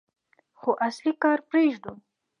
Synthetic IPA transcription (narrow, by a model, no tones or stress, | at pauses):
xoʔaslikɑɾpɾeʒd̪u